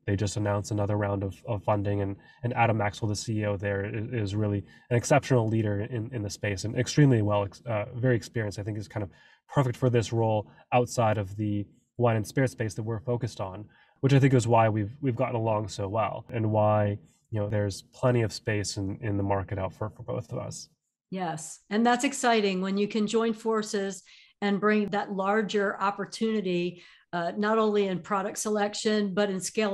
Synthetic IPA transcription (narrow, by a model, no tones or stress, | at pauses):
ðeɪd͡ʒʌstɨnãʊ̃nsənʌðə˞ɹãʊ̃ndʌv̥ʌv̥fʌ̃ndɪ̃ŋɨ̃n | ɨ̃næ̰ɾɨmæksl̩ˠðəsiioʊðə˞ɪɪzɹɪlˠi | ɨ̃nɨksɛpʃnl̩ˠliɾə˞ɪ̃nɨ̃nðɨspeɪsɨ̃nʔɨ̰kstɹ̥ĩmliwɛlˠɨkʌvɛɹiɨkspɪɹiɨ̃nstaɪθɪ̃ŋkɨz̥kʰãɪ̃ndʌv̥ | pʰɜ˞fɨk̚tfə˞ðɪsɹoʊlˠ | aʊtsaɪɾʌvðɨ | wãɪɾɨ̃nspɪɹɨtspeɪsðɨt̚wɪɹfoʊkɨstn̩ | wət͡ʃaɪθɪ̃ŋkɨzwaɪwivwivɡɑʔn̩əlɔ̃ŋsoʊwɛ̰lˠɨ̃nwaɪ | jɨnoʊðə˞z̥pʰl̥ɛ̃ɾ̃iʌv̥speɪsɨ̃nɪ̃nðəmɑɹkɨɾaʊtfə˞fə˞boʊθʌvʌ̰s | jɛsɨ̃nðætsɨksaɪɾɪ̃ŋwɨ̃njɨkʰɨ̃nd͡ʒɔ̃ɪ̃nfɔɹsɪz | ɨ̃nbɹɪ̃ŋðətˡlɑɹd͡ʒə˞ʔɑpə˞tʰʉnɨɾi | nəɾõʊ̃nliɨ̃npʰɹ̥ɑɾɨk̚tsəlɛkʃɨ̃nbʌɾɨ̃nskeɪ